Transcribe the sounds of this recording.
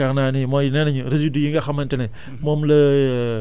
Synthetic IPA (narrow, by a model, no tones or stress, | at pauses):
aknaːnimojnenɐɲuɾizidujiŋɡaxamɐntene | momlɐ